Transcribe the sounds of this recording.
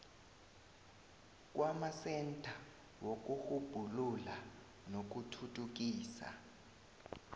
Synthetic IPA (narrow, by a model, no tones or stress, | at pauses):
k̬ʼwʔamasɛntʼʰa | wok̬uxub̥ʱulula | nok̬utʰutʰʼuk̬iːsa̰